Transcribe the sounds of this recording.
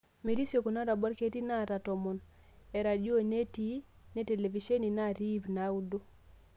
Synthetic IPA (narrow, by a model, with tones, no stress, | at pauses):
me˨ɾi˦sjo˨ku˨na˦ɾa˨bɔ˦ɾke˦ti˦na˦˨ta˨tɔ˨mɔ˨n | ɛ˨ɾa˨d͡ʒo˦˨ne˦ti˦ | ne˦te˨le˨vi˨ʃe˦ni˨na˦˨ɾi˦bna˨˦u˦do˦